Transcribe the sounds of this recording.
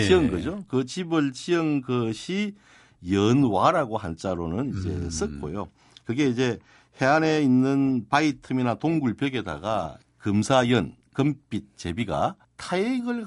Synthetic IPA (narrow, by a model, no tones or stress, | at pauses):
t͡ɕiʌŋɡɯd͡ʑokɯt͡ɕibɯɭt͡ɕiʌŋɡɯɕʰi | jʌnwaɾaɡohant͡ɕ͈aɾonɯnid͡ʑe̞̰s͈ɯk͈o̰jo | kɯɡe̞id͡ʑe̞ | he̞ane̞inːɯnpaitʰɯminatoŋɡuɭpjʌɡeda̰ɡa̰ | kɯmsʰajʌn | kɯmp͈it̚t͡ɕe̞biɡa̰ | tʰaeɡɯɭ